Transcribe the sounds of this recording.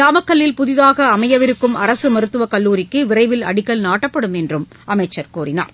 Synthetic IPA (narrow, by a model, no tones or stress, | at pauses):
ɾaːmɐkːɐɭːɪlpʊðɪðaːɣɐːmɐjɐʋɪɾɯkːɯmɐɾɐsɯmɐɾɯt̪ːɯʋɐkɐɭːuːɾɪkːɯʋɪrɐɪʋɪlɐ̰ɽɪkːɐlnaːʈːɐpːɐɽɯmɛndrɯm | ʔɐmɐɪt͡ʃːɐɾkuːrɪna̰ːɾ